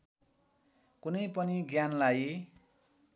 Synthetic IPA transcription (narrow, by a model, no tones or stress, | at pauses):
kunʌjpʌniɡjanlaj